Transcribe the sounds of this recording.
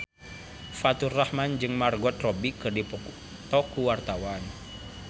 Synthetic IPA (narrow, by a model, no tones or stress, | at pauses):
fat̪urːahmand͡ʒɨŋmarɡɔt̪̚rɔbikɨrdip | t̪ɔkuwart̪awan